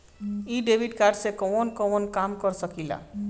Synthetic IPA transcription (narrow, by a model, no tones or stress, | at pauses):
iɖebʱiɖkaɾɖsekɔnkɔnkamkɔɾsəkila̰